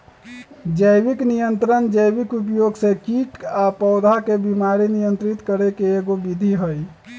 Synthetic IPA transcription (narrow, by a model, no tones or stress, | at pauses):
d͡ʒəjbiknijənt̪ɾənd͡ʒəjbikupjoɡsẽkiʈapɔʊd̪ʱakebimaɾinijənt̪ɾit̪kəɾekeːɡobid̪ʱiɦəj